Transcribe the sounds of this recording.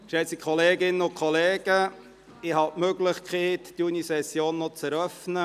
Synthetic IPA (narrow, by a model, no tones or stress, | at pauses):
ʃɛsikʰɔleːɡɪnəʊnkʰχɔleːɡ̥ə | ɪɦɑtmøɡlɪχkʰχɛːtd̥iunisɛsjoːnːɔt͡sɛɾœfnə